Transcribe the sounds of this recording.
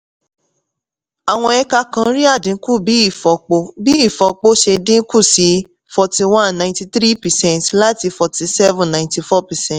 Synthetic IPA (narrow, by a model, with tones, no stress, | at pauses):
a˨w̃ɔ̃˧ɛ˧ka˧kã˧˦ɾi˦a˦˨dĩ˨˦ku˦˨bi˨˦i˦˨fɔ˨k͡po˧bi˦i˦˨fɔ˨k͡po˦ʃe˧dĩ˦ku˦˨si˧ | fɔ˧ti˧wã˦nːã˨nti˧tɾi˦pɛ˨sɛ̃˦˨tla˦ti˧fɔ˨ti˧sɛ˦vũ˨nã˨ĩti˧fɔ˦pɛ˨sɛ̃˦˨t